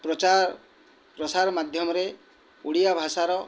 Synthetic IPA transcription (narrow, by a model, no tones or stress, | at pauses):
prɔt͡ʃa | prɔsaɾmad̪ʱjɔmɔɾe | uɽijabʱasaɾɔ